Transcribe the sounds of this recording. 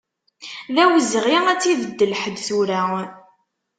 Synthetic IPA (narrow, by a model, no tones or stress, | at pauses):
ðæwəzʁiæt͡sːiðəd̪ːəlħəd̪θuɾæ